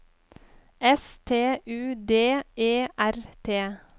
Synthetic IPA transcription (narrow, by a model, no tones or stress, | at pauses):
ɛst̪ʰeːʔʉːd̪eːeːʔæɾt̪ʰeː